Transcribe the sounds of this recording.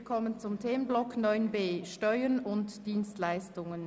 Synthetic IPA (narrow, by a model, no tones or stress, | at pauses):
kʰɔmənt͡sʊmtʰeːmənblɔknɔʏnbeːʃtɔʏənʊntd̥iːnstlaɪstʊŋən